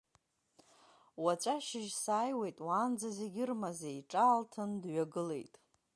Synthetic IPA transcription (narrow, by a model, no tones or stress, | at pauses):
wat͡ʃʷʼaʃɪʒsaːjwe̞jtʼwaːnd͡zaze̞ɡʲɪrmazaiʈ͡ʂʼaːltʰɨndɥaɡɨle̞̰jtʼ